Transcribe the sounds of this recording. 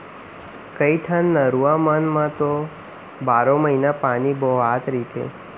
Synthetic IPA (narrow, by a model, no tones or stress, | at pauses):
kəiʈʰənːəɾuʋamanmãt̪o | baɾõməɦinapanibɔɦat̪ɾit̪ḛ